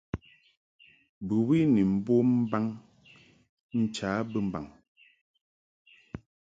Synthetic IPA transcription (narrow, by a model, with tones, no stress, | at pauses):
bɨ˨wi˦ni˨m̩˦bo˦m̩˦ba˦ŋ | n̩˨t͡ʃaː˨˦bə˦m̩˨ba̰˨ŋ